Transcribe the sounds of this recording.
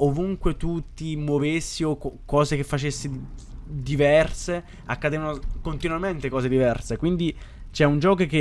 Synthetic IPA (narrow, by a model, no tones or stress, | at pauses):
ovuŋkwet̪ut̪imovesːiokɔːzekefːat͡ʃesːid̪ivɛrse | akːad̪eːvanokont̪inuament̪ekɔːzed̪ivɛrsekwind̪it͡ʃɛund͡ʒɔːkoke